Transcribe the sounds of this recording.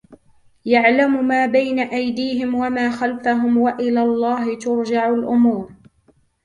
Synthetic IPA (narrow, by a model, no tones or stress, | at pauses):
jaʕlamʊmaːbajnaʔajd̪iːɦɪmwamaːxalfaɦʊmwaʔɪlaːlˤːɑːhɪt̪ʊɾd͡ʒaʕalʔʊmuːɾ